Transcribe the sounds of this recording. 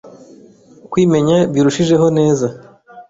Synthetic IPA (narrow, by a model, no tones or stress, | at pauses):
kwiːme̞ɲabiɾuʃiʒe̞ɦo̞ne̞ːza